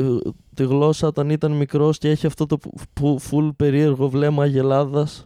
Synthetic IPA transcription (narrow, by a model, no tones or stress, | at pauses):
t̪iɣlo̞sɐot̪ɐnit̪ɐnmikɾo̞scee̞çiɐft̪o̞t̪o̞ufulpe̞ɾie̞ɾɣo̞vle̞mɐʝe̞lɐðɐs